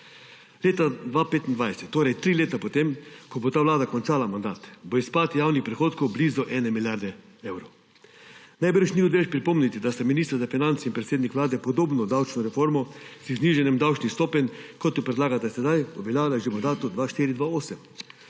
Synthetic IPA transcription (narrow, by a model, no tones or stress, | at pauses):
leːt̪ad̪ʋapeːt̪ind̪ʋajsɛ̥t̪ːoːɾɛjt̪ɾiːleːt̪apot̪emkɔbot̪aːʋlaːd̪akɔnt͡ʃaːlamand̪aːt̪boispaːt̪jaːwnixpɾɛxoːt̪kowbliːzɔʔɛːnɛmilʲjaɾd̪ɛ | ewɾɔw | najbəɾʃniod̪ʋeʃpɾipɔmnit̪id̪ast̪aminist̪əɾzafinant̪sinpɾɛt̪seːd̪nikʋlaːd̪ɛpɔd̪oːbnɔd̪awt͡ʃnɔɾɛfoːɾmɔsizniːʒɛnɛmd̪awt͡ʃnixst̪oːpɛnʲkɔt̪jɔpɾɛd̪laːɡat̪asɛd̪ajɔbɛlʲjaːlaʒemand̪aːt̪ud̪ʋaʃt̪iːɾid̪ʋaoːsɛm